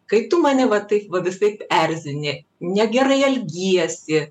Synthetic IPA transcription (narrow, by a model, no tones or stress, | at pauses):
kɐɪt̪ʊmɑːnʲɪʋɐt̪ɐɪpʋɐʋʲɪsɐɪpɛrʲzʲɪnʲɪ | nʲɛɡʲɛɾɐɪɐlʲɡʲijɛsʲɪ